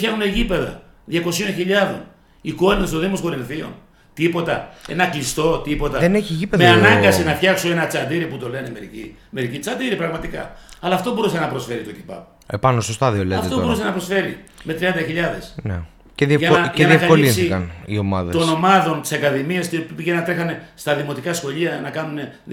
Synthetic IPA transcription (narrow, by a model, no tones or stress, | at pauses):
fçɐxuneʝipe̞ðɐ̰ðʝɐko̞sio̞nçiʎɐðo̞̰n | iko̞ninst̪o̞ðimosko̞ɾinθio̞̰n | t̪ipo̞t̪ɐḛnɐklist̪o̞t̪ipo̞t̪ɐðeneçiʝipeðmeɐnɐŋɡɐsinɐfçɐksoe̞nɐt͡sɐnd̪iɾiput̪o̞leneme̞ɾicḭ | me̞ɾicit͡sɐnd̪iɾipɾɐɣmɐt̪ikɐ̰ɐlɐːft̪o̞bo̞ɾusenɐpɾo̞sfe̞ɾit̪ocipɐ̰p | epɐnosost̪ɐðioleɐft̪obɾusenɐpɾo̞sfe̞ɾime̞t̪ɾiɐnd̪ɐçiʎɐðe̞sne | ceðiʝɐɐʝeɐðiefkɐʎoiiinsiθikɐnio̞mɐðet̪o̞no̞mɐðo̞nt̪i̥sɐkɐðimiɐst̪ipiʝenɐt̪ɾe̞xɐne̞st̪ɐðimo̞t̪ikɐsxo̞ʎiɐnɐkɐnune̞